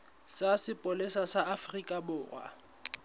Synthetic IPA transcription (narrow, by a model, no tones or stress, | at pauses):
sasɪpʼʊlesasaafrikʼabʊːra̰